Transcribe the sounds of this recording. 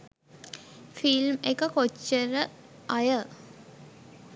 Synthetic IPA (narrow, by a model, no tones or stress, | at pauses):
filmekəkot͡ʃːəɾə | ajə